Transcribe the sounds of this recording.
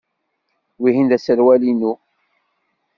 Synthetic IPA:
wiɦinðæsəɾwælinu

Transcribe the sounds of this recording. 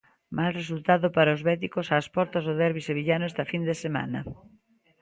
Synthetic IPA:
malres̬ult̪aðʊpaɾaʊzβɛt̪̬ikosaːspɔɾt̪ɐzðoðɛɾβiseβ̞iʎanʊɛst̪ɐfind̪esema̰nɐ

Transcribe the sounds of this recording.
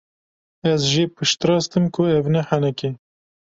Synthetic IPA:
ɛzʒepɨʃt̪ɾɑːst̪ɨmkʰʊɛvnɛħanɛke

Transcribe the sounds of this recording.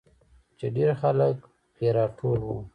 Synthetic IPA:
t͡ʃeɖeɾxalək | xeɾɑʈʰolwu

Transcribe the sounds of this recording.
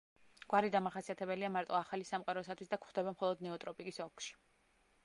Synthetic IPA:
ɡ̥waɾid̪amaχasiat̪ʰɛbɛliamaɾt̪ʼɔaχalisamqʼaɾɔsat̪ʰwisd̪akʰχd̪ɛbamχɔlˠɔd̪nɛɔt̪ʼɾɔpʼikʼisɔkʰʃi̥

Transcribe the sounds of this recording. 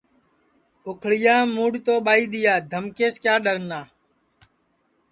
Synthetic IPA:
ʊkʰɽɪjãːmuːɽt̪oːɓaːiːɗ̪ɪjaːd̪ʱəmkeːskjaːɗəɾnaː

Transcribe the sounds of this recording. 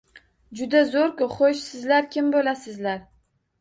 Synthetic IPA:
d͡ʒʊd̪azoɾkʊχoʃsɪzlaɾkʲɪmbolasɪzlaɾ

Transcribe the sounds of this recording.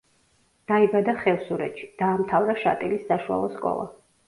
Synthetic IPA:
d̪̥aibad̪aχɛlˠsuɾɛt̪ʃi̥d̪̥aːmt̪ʰavɾaʃa̰t̪ʼilisːaʃua̰lˠɔskʼɔ̰lˠa̰

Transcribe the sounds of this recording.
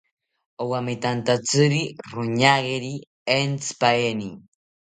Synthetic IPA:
owamit̪ant̪at͡sɨɾiɾʊɲaɣeɾi | ent͡spaeni

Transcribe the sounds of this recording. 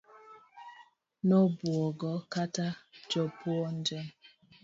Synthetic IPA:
nɔbwɔɡɔkatad͡ʒɔpwɔn̩d͡ʒɛm

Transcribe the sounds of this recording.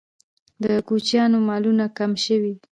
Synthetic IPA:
d̪əkut͡ʃjɑnomɑlunakamʃəwi

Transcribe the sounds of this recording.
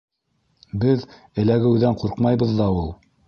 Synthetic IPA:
bɘð | ɘ̆læɡɘ̆wðæɴquɾqmɑjβɤ̆ðːɑulˠ

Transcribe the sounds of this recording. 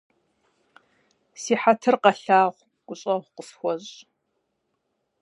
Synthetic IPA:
siːħatʰɨrqɐɬaːʁʷ | ɡ̥ʷʊɕʼɐʁʷqəfxʷɔʑʼ

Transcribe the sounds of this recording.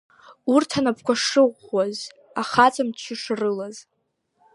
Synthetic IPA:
urtʰanapʰkʷaʂɨʁʷaz | aχat͡sʰʼamt͡ʃʰɪʂrɨlaz

